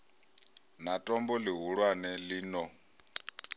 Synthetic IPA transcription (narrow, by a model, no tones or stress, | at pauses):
natʼɔmbɔliɦuɺwanɛliːnɔ